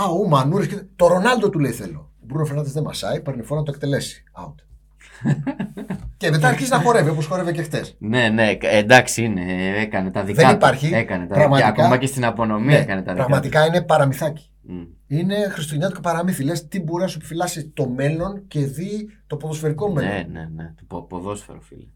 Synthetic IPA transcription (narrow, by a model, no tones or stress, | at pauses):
ɐomɐnuɾiscet̪t̪o̞ɾo̞nɐld̪o̞t̪uleiθe̞lo̞̰ | bɾunofeɾnɐt̪ezðemɐsɐ̰ipeɾnifoɾɐnɐt̪ok̚t̪e̞le̞si̥ɐ̰ut̪e̥ | ce̞me̞t̪̬ɐːɾçiziznɐxo̞ɾeveoposxo̞ɾe̞vecext̪esne̞ne̞end̪ɐksiineekɐnet̪ɐðiðenipɐɾçiekɐnet̪ɐpɾɐɣmɐt̪ikomɐcest̪inɐpo̞no̞mieekɐnet̪ɐðpɾɐɣmɐt̪ikɐine̞pɐɾɐmiθɐci̥ | ine̞xɾist̪oeɲɐt̪ocepɐɾɐmifile̞st̪ibo̞ɾinɐsuepifilɐsit̪o̞me̞lo̞nce̞ðit̪o̞po̞ðo̞sfe̞ɾiko̞menoenḛnet̪o̥popoðo̞sfḛɾofḭle